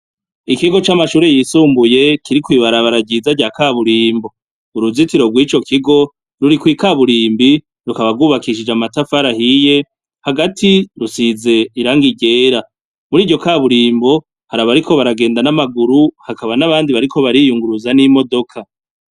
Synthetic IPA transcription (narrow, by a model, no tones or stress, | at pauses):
ikiɡo̞t͡ʃamaʃuːɾe̞jisuːmbuje̞kiɾikwiːβaɾaβaɾaɟizaɟaːkaːβuɾiːmbo̞ | uɾuzitiɾo̞ɡwiːt͡ʃo̞kʰiɡo̞ | ɾuɾikwiːkaβuɾiːmbi | ɾukaβaɡuːβakiʃid͡ʒamatafaɾahije̞ | haɡatʰiɾusize̞iɾaŋɡiɟe̞ːɾa | muɾiːɟo̞kaːβuɾiːmbo̞ | haɾaβaɾikʰo̞βaɾaɡe̞ːndanamaɡuɾuhakaβanaβaːndiβaɾikʰo̞βaɾijuŋɡuɾuzanimo̞do̞kʰa